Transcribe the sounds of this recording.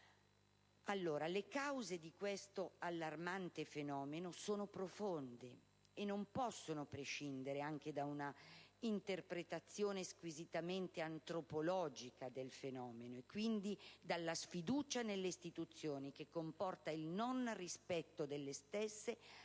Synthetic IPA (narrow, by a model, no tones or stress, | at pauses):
alːoːɾalekawzed̪ikwest̪oalːarmant̪efenɔːmenosoːnopɾofond̪e | enːompɔsːonopɾeʃind̪eɾeaŋk̟ed̪aunaint̪erpɾet̪at̪sːjoːneskwizit̪ament̪eant̪ɾopolɔːd͡ʒikad̪elfenɔːmenoekːwind̪id̪alːasfid̪uːt͡ʃanelːeist̪it̪ut̪sːjoːnik̟ekːompɔrt̪ailnonrispɛt̪ːod̪elːest̪esːe